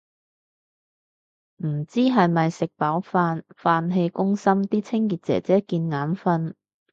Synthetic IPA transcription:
m̩˨˩t͡siː˥ɦɐ˨jmɐ˨jsɪ˨k̚paː˨˥wfaː˧nfaː˧nɦe˧jkʊ˥ŋsɐ˥mt̪iː˥t͡sʰɪ˥ŋkiː˨t̚t͡sɛ̰ː˨˩t͡sɛː˨˥kiː˧nŋaː˨˥nfɐ˧n

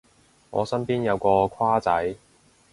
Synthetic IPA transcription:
ŋɔ̰ː˨˧sɐ˥npiː˥njɐ˨˧wkɔː˧kʷʰwaː˥t͡sɐ˨˥j

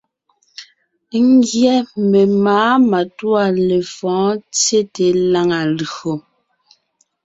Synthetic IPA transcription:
ŋ˦ɡjɛ˦me˨maː˨˦ma˨twa˦˨le˨fɔ̃ː˨˦t͡sje˦te˨la˦ŋa˨lo˨

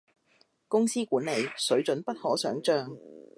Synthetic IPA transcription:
kʊ˥ŋsiː˥kuː˨˥nle˨˧jsɵ˨˥ɥt͡ʃɵ˨˥npɐ˥t̚hɔː˨˥sœː˨˥ŋt͡ʃœː˧ŋ

